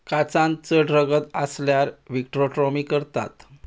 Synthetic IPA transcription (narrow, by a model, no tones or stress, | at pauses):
kat͡sãnt͡səɖɾəɡət̪asljaɾʋik̚ʈɾoʈɾɔmikəɾt̪a̰t̪